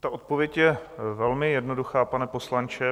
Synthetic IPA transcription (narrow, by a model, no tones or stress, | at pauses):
t̪aʔo̞t̪̚povjɛcjɛvɛlmɪjɛdno̞duxaːpanɛpo̞slant͡ʃɛ